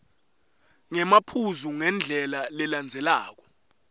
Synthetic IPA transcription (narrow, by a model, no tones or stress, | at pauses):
ŋɛmapʰuzuŋɛnd͡ɮʱɛlalɛland͡zʱɛlaːk̬ɔ̥